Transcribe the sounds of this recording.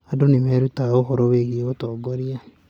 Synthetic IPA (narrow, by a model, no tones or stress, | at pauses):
adonemɛɾutaoɦɔɾoweɣieotɔːɡoɾia